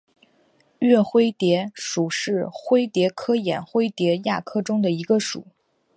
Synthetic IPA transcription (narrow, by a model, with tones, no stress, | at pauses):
ɥɛ˥˩xwe˥ɪt̪jɛ˧˥ʂu˨˩ʂɻ̩˥˩xwe˥ɪt̪jɛ˧˥kʰɤ˥jɛ̰˨˩nxwe˥ɪt̪jɛ˧˥ja̰˥˩kʰɤ˥˩ʈ͡ʂʊ˥ŋd̪ə˨i˧˥ɡə˧ʂṵ˨˩˦